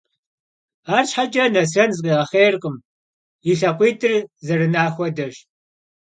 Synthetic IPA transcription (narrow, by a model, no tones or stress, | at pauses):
aːrɕħad͡ʒɐnɐsɐnzɨqiːʁɐχeːrqʼəm | iɬɐqʷiːdɨrzɐrɨnaːxʷɔdɐʒ